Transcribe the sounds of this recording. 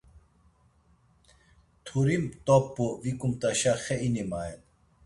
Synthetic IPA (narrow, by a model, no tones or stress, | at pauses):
t̪ʰuɾimt̪opːovikumt̪ɐɕaxeinimaːen